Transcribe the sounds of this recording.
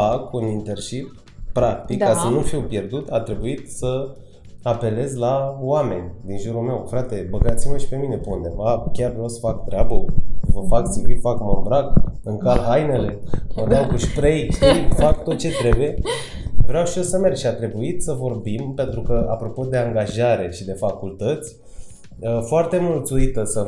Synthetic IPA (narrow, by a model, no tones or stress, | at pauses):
fakunint̪e̞rʃip | pɾak̚t̪ikːasənufiwpje̞rd̪ut̪at̪ɾe̞buit̪sə | ape̞le̞zlaowame̞̰nʲd̪inʒuɾume̞wfɾat̪e̞bəɡat̪siməʃi̥pe̞minepṵnd̪e̞vakʲarvɾawsə̥fak̚t̪ɾeabəvəfaksivit̪fakməmbɾakɨŋkalɦajne̞le̞od̪awkɨʃʲpɾejʃt̪ifakt̪ot̪̚t͡ʃe̞t̪ɾe̞buje̞ | vɾeawʃiosəme̞rʃiat̪ɾe̞buit̪səvo̞rbimpe̞nt̪ɾukəʔa̰pɾo̞po̞d̪e̞aŋɡaʒaɾe̞ʃid̪e̞fakult̪ət̪sʲ | əfoart̪e̞mult̪suit̪əsə